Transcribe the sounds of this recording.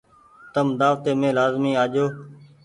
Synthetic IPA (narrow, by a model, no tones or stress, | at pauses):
t̪əmd̪aːʋt̪eːmẽːlaːzmiːaːʄoː